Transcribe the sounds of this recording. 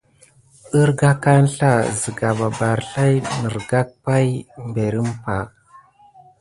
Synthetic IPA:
ə˦ɾɡa˦ka˦n˦ɬa˦˨zi˨ɡa˨ba˨ba˨ɾɬa˦jnə˨ɾɡa˦k̚pa˦jmbe˨ɾi˦mpa˨

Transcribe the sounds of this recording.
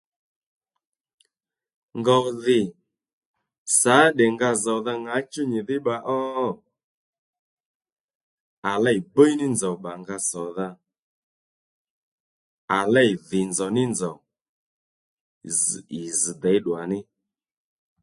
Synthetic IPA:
ŋɡɔ˨ðɪ˨ | sa˨˦ɗɛ˨ŋɡa˧zɔ˨ða˧ŋa˨˦t͡ʃu˦ɲɪ˨ðɪ˦ɓa˧ʔɔ˦ | a˨lɛ˦˨jbə˦jnɪ˦nzɔ˨ɓa˨ŋɡa˧sɔ˨ða˧ | a˨lɛ˦˨jðɪ˨nd͡zɔ˨nɪ˦nzɔ˨ | zɪ˨z̩˨d̪ɛ˨˦ɗwa˨nɪ˦

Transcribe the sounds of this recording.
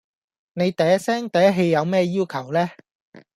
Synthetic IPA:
ne˨˧jt̪ɐ˨˧jɐ˥sɛː˥ŋt̪ɐ˨jɐ˥ɦe˧jːɐ˨˧wmɛː˥jiː˥wkʰɐ˨˩wlɛː˥

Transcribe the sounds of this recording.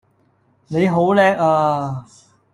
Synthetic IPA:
ne˨˧jɦo˨˥wlɛː˧˥k̚aː˧

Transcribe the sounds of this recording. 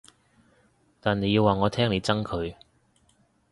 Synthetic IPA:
t̪aː˨ne˨˧ji˧waː˨ŋɔː˨˧t̪ʰɛː˥ŋle˨˧jt͡sɐ˥ŋkʰɵ˨˧ɥ

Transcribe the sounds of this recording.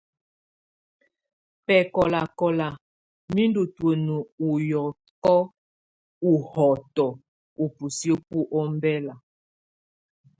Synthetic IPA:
pɛ˨kɔ˨la˨kɔ˨la˨ | mi˦ndu˨two˨nu˨u˨jɔ˨ | kɔ˦ | u˨hɔ˨tɔ˨ | u˨pu˨sjo˦pu˦ʔɔ˦m˦bɛ˦la˨

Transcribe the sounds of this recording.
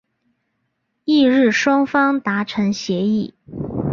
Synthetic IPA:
i˥˧ɻɻ̩˥˩ʂwɑ˥ŋfɑ˥ŋt̪a˧˥ʈ͡ʂʰɤ˧˥ŋɕjɛ˧˥i˥˩

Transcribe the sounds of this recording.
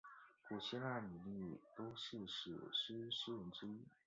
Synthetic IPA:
kwɔ˨˩ɕjɛ˥na˥˩ɪni˨˩li˥˩˨t̪o˥ʊʂɻ̩˥˩ʂɻ̩̰˨˩ʂ̩˥ʂ̩˥ɻə˧˥nʈ͡ʂɻ̩˥i˥

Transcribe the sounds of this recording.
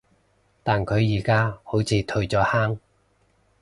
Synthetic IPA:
t̪aː˨nkʰɵ˨˧ɥjiː˨˩kaː˥ho˨˥wt͡sʰiː˨˧t̪ʰɵ˧ɥt͡sɔː˨˥haː˥ŋ

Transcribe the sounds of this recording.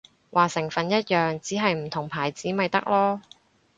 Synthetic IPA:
wʔaː˨˩sɪ˨˩ŋfɐ˨˧njɐ˥t̚jœː˨ŋt͡siː˨˥ɦɐ˨jm̩˨˩t̪ʰʊ˨˩ŋpʰaː˨˩jt͡siː˨˥mɐ˨˧jt̪ɐ̰˥k̚lɔː˥

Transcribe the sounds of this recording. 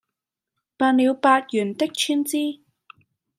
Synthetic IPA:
paː˧nliː˨˧wpaː˧t̚jyː˨˩nt̪ɪ˥k̚t͡ʃʰy˥nt͡siː˥

